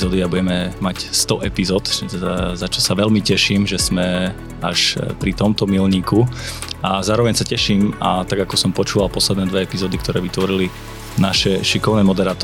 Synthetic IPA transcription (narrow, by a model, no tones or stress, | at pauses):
zɔːd̪iabuɟɛmɛmacst̪ɔʔɛpizɔːt̪ɛzat͡ʃɔsaʋɛlmicɛʃiːmʒɛzmɛ | a̰ʃpɾit̪ɔmt̪ɔmilɲiːku | azaːɾɔʋɛɲsacɛʃiːmat̪aɡakɔsɔmpɔt͡ʃuːʋalˠpɔslɛd̪nɛːd̪ʋɛɛpizɔːd̪ikt̪ɔɾɛːʋit̪ʋɔɾili | naʃɛʃikɔʊnɛːmɔd̪ɛɾaːt̪ɔ